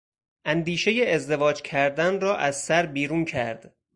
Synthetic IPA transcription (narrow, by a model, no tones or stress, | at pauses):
ʔænd̪iːʃe̞je̞ezd̪e̞vɒːd͡ʒcʰæɾd̪ænrɒːʔæzsæɾbiːɾuːncʰæɾd̪̥